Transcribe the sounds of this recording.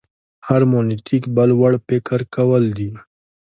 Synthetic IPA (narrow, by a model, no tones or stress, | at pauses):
hɐɾmoːnit̪ikbɐlwɐɽpekəɾkɐwɐld̪iː